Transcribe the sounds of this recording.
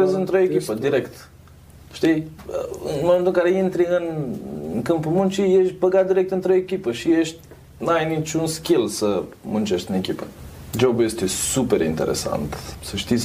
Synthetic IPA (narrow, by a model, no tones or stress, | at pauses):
ezɨnt̪ɾojekʲipəd̪iɾekt̪ | ʃt̪ijɨnmoment̪ukaɾeint̪ɾiɨnŋkɨmpumunt͡ʃijeʃbəɡat̪̚d̪iɾek̚t̪ɨnt̪ɾejekʲipəʃijeʃt̪ʲ | najnit͡ʃunskʲilsəmunt͡ʃeʃt̪ɨnekipəd͡ʒobjest̪esupeɾint̪ḛɾḛsa̰nt̪səʃt̪is